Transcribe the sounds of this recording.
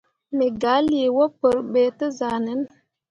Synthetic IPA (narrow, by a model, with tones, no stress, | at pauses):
me˨ɡa˨˦li˦˨e˨wo˦pə˨ɾɓɛ˨tə˦za˨nə˨˦n